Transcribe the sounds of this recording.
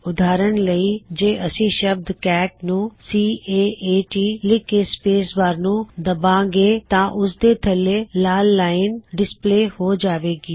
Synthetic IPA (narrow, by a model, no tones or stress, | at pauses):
ʊd̪aːɾəɳləiːd͡ʒeːʔəsĩːʃəb̚d̪kɛːʈnũːsiːeːeːʈiːlɪkeːspeːsbaːɾnũːd̪əbãːɡeːt̪ãːʔʊsd̪eːt̪ʰəleːlaːlːaːɪnɖɪspleːhoːd͡ʒaːʋeːɡiː